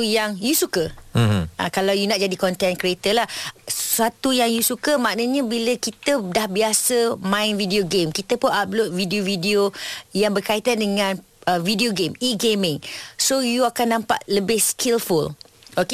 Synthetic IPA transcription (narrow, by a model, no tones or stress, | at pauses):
ujaŋjusukə | akalawjunaʔ̚d͡ʒadikɔnt̪ɛnkɾiet̪əlahsat̪ujaŋjusukəmãʔnəɲə̃biləkit̪ədahbiasəmãɪnvidioɡemkit̪əpʊnap̚lot̪̚vidiovidiojaŋbərkait̪andəŋãn | əvidioɡemiɡemɪŋsojuakanːãmpa̰ʔləbɪhskʰilful | ok